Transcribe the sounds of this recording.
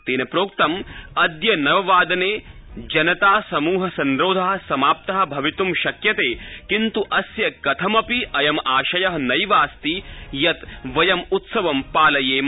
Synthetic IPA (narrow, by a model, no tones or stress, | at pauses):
t̪eːnɐpɾoːk̚t̪ɐmɐd̪jɐnɐʋɐʋaːd̪ɐneːd͡ʒɐnɐt̪aːsɐmuːɦɐsɐnɾoːd̪ʱaːɦɐsɐmaːp̚t̪ɐɦɐ̆bʱɐʋit̪umʃɐkjɐt̪eːkint̪uʔɐsjɐkɐt̪ʰɐmɐpiʔɐjɐmaːʃɐjɐɦɐnɐjʋaːst̪ijɐt̪ʋɐjɐmut̪sɐʋɐmpaːlɐjeːm